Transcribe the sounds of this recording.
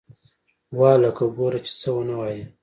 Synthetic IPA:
wɑːlakaɡoɾat͡ʃe̥t͡səwənawɑje

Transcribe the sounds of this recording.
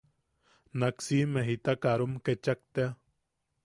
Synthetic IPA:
naksimeɦit̪akaɾomket͡ʃak̚t̪ea

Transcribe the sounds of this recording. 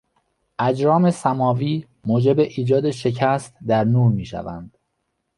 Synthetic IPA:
ʔæd͡ʒɾɒːme̞sæmɒːviː | moːd͡ʒe̞beʔiːd͡ʒɒːd̪e̞ʃe̞cʰæst̪d̪æɾnuːɾmiːʃæ̰væ̰nd̪̥

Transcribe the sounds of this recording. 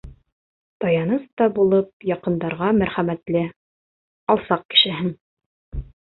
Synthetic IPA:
t̪ɑjɑnɤst̪ɑbulˠɤp̚jɑqɤ̆nd̪ɑɾʁɑmæɾχæmæt̪lɘ | ɒlˠsɑq̚kɘ̥̆ʃɘ̆ɦɘn

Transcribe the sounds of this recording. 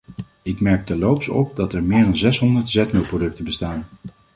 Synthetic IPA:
ɪkmɛɹk̚təlowpsɔ̰p̚dɑtɛɹmɪːɹdɑnzɛsɦɔndəɹtz̥ɛtmɪlˠprodɵk̚təbəstaːn

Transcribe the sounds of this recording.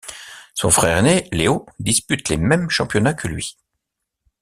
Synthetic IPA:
sɔ̰̃fχɛːʁneleod̪ispyt̪lemɛmʃɑ̃pjɔnakʰəlɥḭ

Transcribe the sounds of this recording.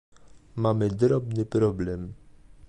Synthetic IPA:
mamɘd̪ɾɔbnɘpɾɔblɛm

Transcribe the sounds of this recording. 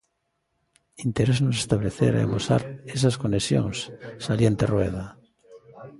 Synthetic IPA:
int̪eɾesnosest̪aβleθḛɾa̰ḛmosa̰ɾes̬askonesjo̰ŋssaljent̪erweð̞a

